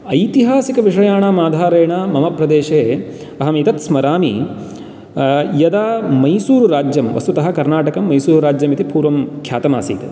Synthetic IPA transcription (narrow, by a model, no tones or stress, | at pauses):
ɐjt̪iɦaːsikɐʋiʂɐjaːɳamaːd̪ʱaːɾɐːɳaːmɐmɐpɾɐd̪eːʃeː | ɐɦɐmit̪ɐt̪smɐɾaːmḭ | jɐd̪aːmɐjsuːɾuɾaːd͡ʒjɐmʋɐ̰st̪ut̪ɐɦɐ̆kɐɾnaːʈɐkɐmːɐjsuːɾuɾaːd͡ʒjɐmit̪ipuːɾʋɐmkʰja̰ːt̪ɐma̰ːsḭːt̪e